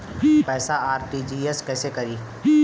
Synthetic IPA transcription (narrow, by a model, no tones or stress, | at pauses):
pɛːsaaːɾʈid͡ʒiːeskɛːsekɐɾiː